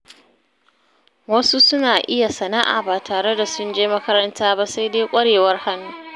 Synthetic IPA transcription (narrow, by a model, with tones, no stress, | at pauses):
wɐ˦su˦sʊ˦naː˨ʔɪ˦ja˨sɐ˨na˦ʔa̰ː˨baː˨tʰaː˨ɽe˦da˨sʊ˦nd͡ʒeː˦mɐ˦kɐ˦ɾɐ˦ntaː˦ba˦sa˦jdeː˦kʷʼɐ˦ɽeː˨wɐ˦rha˦nːuː˦